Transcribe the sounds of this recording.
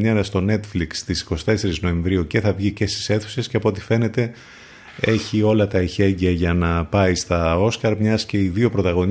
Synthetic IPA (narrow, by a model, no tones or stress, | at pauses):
ɲɐɾɐst̪o̞ne̞t̪flikst̪isi̥ko̞st̪e̞se̞ɾizno̞e̞ɱvɾiuce̞θɐvʝice̞st̪i̥se̞θu̥se̞sceɐpoo̞t̪ife̞ne̞t̪e̞ | e̞çio̞lɐt̪ɐiçe̞ɟiɐʝɐnɐpɐist̪ɐo̞skɐɾmɲɐsce̞iðio̞pɾo̞t̪ɐɣo̞ɲ